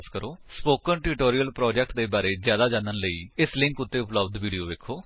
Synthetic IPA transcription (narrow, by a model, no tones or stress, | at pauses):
skəɾoːspoːkənʈɪɾɪʈoːɾijəlpɾɔːd͡ʒɛk̚ʈ̚d̪eːbaːɾeːzjaːd̪aːd͡ʒãːnənləḭːɪslɪ̃ŋkʊt̪ːeːʊpləbd̪ʋiːɖijoːʋeːkʰoː